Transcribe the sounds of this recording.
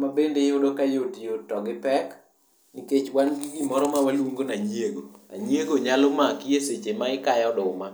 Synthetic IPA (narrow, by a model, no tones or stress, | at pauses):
mabendejodokajotijotːɔɡɪpɛk | niket͡ʃwanɡiɡimɔɾɔmawalwuŋɡonaɲieɡoa̰ɲieɡoɲalomakijeset͡ʃemaɪkajɔdʊma